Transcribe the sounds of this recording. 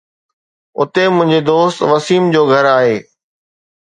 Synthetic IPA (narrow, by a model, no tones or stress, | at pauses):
ʊ̰t̪emʊ̃ɦɪ̃ɲd͡ʑed̪oːst̪ʋɐsiːmd͡ʑoːɡʱɐɾaːɦeː